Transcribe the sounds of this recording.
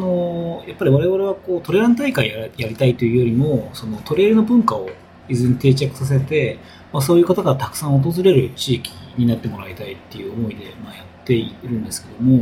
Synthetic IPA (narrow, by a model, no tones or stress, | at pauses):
anojapːaɾʲiβaɾe̞βaɾe̞β̞ako̞ːt̪o̞ɾe̞ɾãnt̪aikaĩjaɾʲit̪ait̪ojɯ̟joɾʲimo̞so̞no̞t̪o̞ɾe̞ːɾɯ̟no̞bɯ̟̃ŋkao̞ | izɨ̃ɲ̟it̪e̞ːt͡ɕakɯ̥sas̬e̞t̪e̞ | maso̞ːjɯ̟kat̪akaɾat̪akɯ̥sãɰ̃o̞t̪̬o̞zɨɾe̞ɾɯ̟t͡ɕiːkʲi̥ɲ̟inat̪ːe̞mo̞ɾait̪ait̪ːe̞jɯ̟omo̞id̪e̞majat̪ːe̞ɾɯ̟̃nd̪e̞sɨ̥ke̞d̪o̞mo̞